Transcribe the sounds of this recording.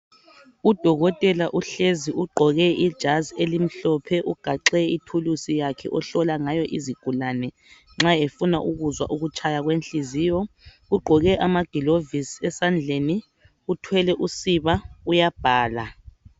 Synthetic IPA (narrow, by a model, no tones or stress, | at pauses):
ud̥ʱɔɣɔtʼɛlaʔuɬeziʔuɡ͡ǃʱɔɣɛid̥ʒ̥ʱazielim̩ɬɔpʰɛʔuɡ̥ʱaǁɛitʰulusijakʰɛ̰ʔɔɬɔlaŋajɔʔiziɡ̥ʱulanɛ | ŋ͡ǁaefunaʔuɣuzwa̰ʔuɣut͡ʃʼʰajaɣwenɬiziːjɔɣuɡ͡ǃʱɔɣɛʔamaɡ̥ʱilovisɛsand͡ɮʱeni | utʰwɛlɛʔusiβaujab̥ʱaːla